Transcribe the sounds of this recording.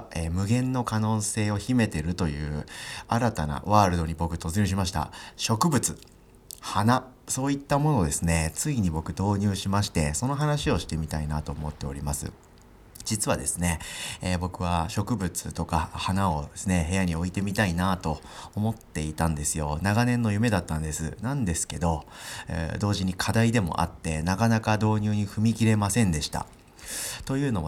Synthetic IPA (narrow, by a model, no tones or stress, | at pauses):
eːmɯ̟ɡẽ̞nːo̞kano̞ːse̞ːo̞çime̞t̪e̞ɾɯ̟t̪o̞jɯ̟ːaɾat̪ana̰βaːɾɯ̟d̪o̞ɲ̟ibo̞kɯ̟t̪o̞t͡sɨɲʲɨːɕ̬imaɕ̬i̥t̪a̰ɕo̞kɯ̟bɯ̟t͡sɨ̥ | hana | so̞ːit̪ːamo̞no̞d̪e̞sɨne̞t͡sɨiɲ̟ibo̞kɯ̟d̪o̞ːɲ̟ɨːɕimaɕi̥t̪e̞so̞no̞ɦanaɕio̞ɕi̥t̪e̞mʲit̪ainat̪o̞ːmo̞t̪ːe̞o̞̰ɾʲimasɨ̰ | d͡ʑit͡sɨβad̪e̞sɨne̞ːbo̞kɯ̟β̞aɕo̞kɯ̟bɯ̟t͡sɨt̪o̞kahanao̞d̪esɨne̞ɦe̞jaɲ̟io̞it̪e̞mʲit̪ainat̪o̞ː | mo̞t̪ːe̞it̪ãnd̪e̞sɨjo̞naɡanẽ̞nːo̞jɯ̟me̞d̪at̪ːãnd̪e̞sɨ̰nãnd̪e̞sɨ̥ke̞d̪o̞̰ | d̪o̞ːʑiɲ̟ikʰad̪aid̪e̞mo̞̰ʔa̰t̪ːe̞nakanakad̪o̞ːɲʲɨːɲ̟iɸɯ̟mʲikʲiɾe̞masẽ̞nd̪e̞ɕi̥t̪a̰ | t̪o̞jɯ̟ːno̞β